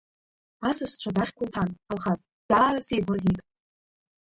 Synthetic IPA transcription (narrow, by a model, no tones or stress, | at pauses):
asɨst͡ɕʷʰadaχʲkʷʰʊltʰanalχaztʼd̥aːɾasejbʷʊrʲikʼ